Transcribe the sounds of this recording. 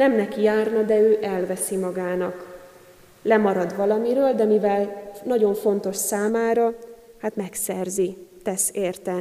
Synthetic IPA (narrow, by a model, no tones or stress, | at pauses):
nɛmnɛkijaːrnɒd̪ɛøːʔɛlvɛsimɒɡaːnɒk | lɛmɒɾɒd̪ʋɒlɒmiɾøːld̪ɛmivɛlnɒɟo̞ɱfo̞nt̪o̞ʃsaːmaːɾɒhat̪mɛksɛrzit̪ɛseːrt̪ɛ